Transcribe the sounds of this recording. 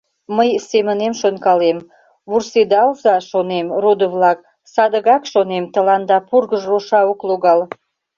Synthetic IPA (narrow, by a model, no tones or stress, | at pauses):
məjsemənemʃonkɑlem | βursed̪ɑwzɑʃonemrod̪əvlɑk̚ | sɑd̪əɣɑkʃonemt̪ə̆lɑnd̪ɑpurɣəʒroʃɑokloɣɑl